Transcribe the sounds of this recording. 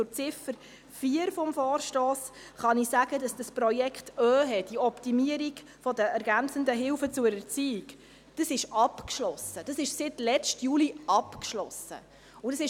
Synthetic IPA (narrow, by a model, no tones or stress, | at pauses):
ʊt͡sɪfəɾ | fiəɾfɔmfɔːɾʃtɔːsχɑnisæɡ̥əd̥ɑsd̥ɑsprɔjɛkχtœːɦɛdiɔptimiəɾiɡ | fɔdəæɾɡænt͡səndəɦɪwfət͡sʊɾɛt͡siːɪk | d̥ɑsɪʃɑpkʃlɔsəd̥ɑsɪʃsɪtlɛt͡ʃtjuːliɑpkʃlɔsə̰ | ʊdɑsɪʃ